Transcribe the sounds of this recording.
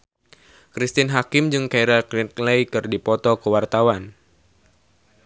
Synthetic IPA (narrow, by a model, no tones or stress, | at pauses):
kɾist̪ɪnɦakɪmd͡ʒɨŋkajɾalklinlejkɨrdipɔt̪ɔkəwart̪awan